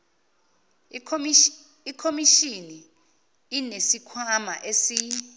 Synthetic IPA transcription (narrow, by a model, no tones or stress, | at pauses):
ikʰomiʃini | inesikʰwama̰ʔesi